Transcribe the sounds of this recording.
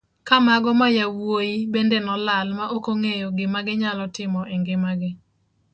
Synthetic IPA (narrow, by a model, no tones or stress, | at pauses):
kamaɡɔmajawojibendenɔlalmaʔokoŋejoɡɪmaɡɪɲalɔtɪmɔʔɛŋɡɪmaɡɪ